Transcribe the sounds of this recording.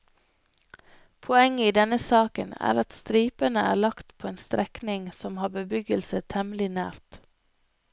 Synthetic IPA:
pʰɔɛŋːiːd̪ɛnəsɑːkənæ̰ːɾɑt̪st̪ɾiːpənəæ̰ːlɑkt̪pʰoːeːnst̪ɾɛknɪŋsɔmhɑːbəbʏɡəlsət̪ʰɛmlɪnæ̰ːɾt̪

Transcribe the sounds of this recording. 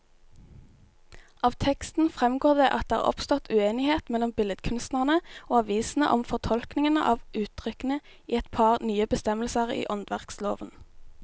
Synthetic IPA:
ʔɑːʋt̪ʰɛkst̪n̩fʁɛmɡoːʁd̪eːʔɑt̪̚d̪eːæ̰ʔɔ̰pst̪ɔt̪ʰʉeːnɪheːt̪mɛlɔmbɪləd̪kʰʉnst̪nəʁnəoːɑʋiːsn̩ə̰ʔɔ̰mfɔʁt̪ʰɔlknɪŋənə̰ʔɑːʋʔʉːt̪ʰʁʏkənə | iːɛt̪pʰɑːʁnyːəbəst̪ɛməl̩səʁḭːʔɔnd̪ʋæʁkslo̰ːʋən

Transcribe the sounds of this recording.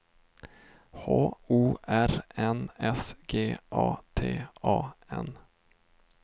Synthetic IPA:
hoːuːʔæɾɛnɛsɡeːʔɑːt̪ʰeːʔɑːɛn

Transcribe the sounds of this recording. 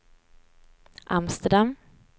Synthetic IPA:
ʔamst̪əɖam

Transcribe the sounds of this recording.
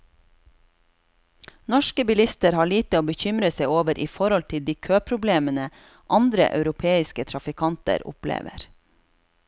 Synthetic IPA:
nɔʃkəbɪlɪst̪əɾhɑːɭiːt̪əoːbəçʏmɾəseɪoːʋəɾʔiːfɔɾɔlt̪ʰɪld̪iːkʰøːpʰɾʊbleːmənə | ʔɑnd̪ɾə̰ʔɑ̰ʉɾʊpʰeːɪskət̪ʰɾɑfɪkʰɑnt̪ə̰ɾʊ̰plḛːʋə̰ɾ

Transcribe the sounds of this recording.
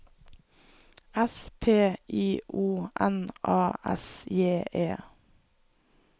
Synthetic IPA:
ɛspʰeːʔiːʔuːʔɛnʔɑːʔɛ̰sjeːʔeː

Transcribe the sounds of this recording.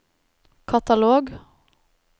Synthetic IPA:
kʰɑt̪ɑloːɡ

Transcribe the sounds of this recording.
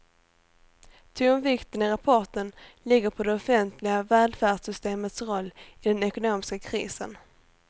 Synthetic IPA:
t̪ʰɵmvɪkt̪ənɪɾapʰɔʈənlɪɡːəɾpʰɔd̪ɛɔfɛnt̪ʰlɪɡavɛːld̪fæːɖsʏst̪eːmət̪sɾɔlːɪd̪ɛnɛkʊnoːmɪskakʰɾiːsə̰n

